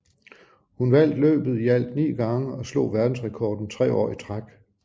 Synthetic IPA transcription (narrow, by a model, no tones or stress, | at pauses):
hunʋæl̰d̥lø̰ːb̥ð̞̩ˠiæl̰d̥nḭːɡ̥ɑ̈ŋəɒ̽slɔ̝̰̽ːʋæɐd̥n̩sʁɛkʰɒːd̥n̩t͡sʰʁɛ̰ːɒ̰ːit͡sʰʁaɡ̥